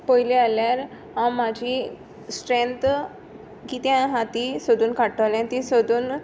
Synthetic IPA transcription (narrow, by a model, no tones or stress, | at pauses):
pəjlialjaɾ | ɦãmad͡ʑʱi | sʈɾent̪ | kit̪jãɦat̪isəd̪ʱuːnkaʈəljãt̪isəd̪ʱuːn